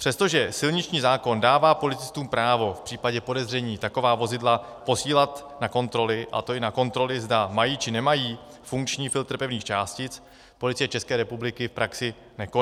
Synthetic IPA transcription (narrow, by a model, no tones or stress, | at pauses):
pr̝̥ɛst̪o̞ʒɛsɪlɲɪt͡ʃɲiːzaːko̞ndaːvaːpo̞lɪt͡sɪ̥st̪uːmpɾaːvo̞fpr̥iːpaɟɛpo̞dɛzr̝ɛɲiːt̪ako̞vaːvo̞zɪdla | po̞siːlat̪ | nako̞nt̪ɾo̞lɪʔa̰t̪oɪnako̞nt̪ɾo̞lɪzdamajiːt͡ʃɪnɛmajiːfuŋkt͡ʃɲiːfɪlt̪r̩pɛvniːxt͡ʃaːscɪt͡s | po̞lɪt͡sɪjɛt͡ʃɛskɛːɾɛpublɪkɪfpɾʔaksɪ | nɛko